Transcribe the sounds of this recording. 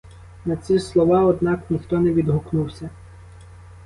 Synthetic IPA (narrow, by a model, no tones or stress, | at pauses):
nɐsʲislˠɔʋɑɔd̪nɑknʲixt̪ɔnɛʋʲid̪ɦɔknuwsʲɐ